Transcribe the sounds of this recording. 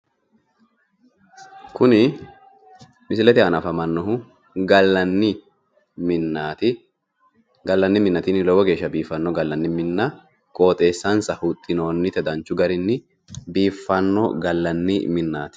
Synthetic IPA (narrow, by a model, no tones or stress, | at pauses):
kʊnɪ | mɪsɪlɛt̪ɪɐnɐfɐmɐnːɔɦʊ | ɡɐlɐnːɪ | mɪnaːt̪ɪ | ɡɐlːɐnːɪmɪnːɐt̪inɪlɔwɔɡe̞ːʃːɐbiːfːɐnːɔɡɐlːɐnːɪmɪnːɐ | kʼo̞ːt̪ʼe̞ːsːɐnsɐhut̪ʼːɪno̞ːnːɪt̪ɛd̪ɐnt͡ʃːʊɡɐɾɪnːɪ | biːfːɐnːɔ̰ɡɐlːɐnːɪmɪnːa̰ːt̪ɪ̥